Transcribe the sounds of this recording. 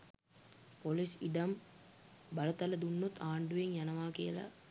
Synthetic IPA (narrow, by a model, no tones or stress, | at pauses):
polisiɖɐm | bɐlɐt̪ɐləd̪unːut̪ʰːaːɳɖuʋeŋjanɐʋaːkijəla̰